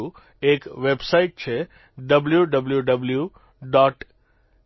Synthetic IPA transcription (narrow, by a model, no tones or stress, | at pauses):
u | ekʋebsaiʈ̚t͡ʃʰe | ɖəbljuɖəbljuɖəblju | ɖɔːʈ